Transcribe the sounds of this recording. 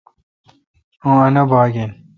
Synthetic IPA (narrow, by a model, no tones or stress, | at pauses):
õɐnɐbaːɡen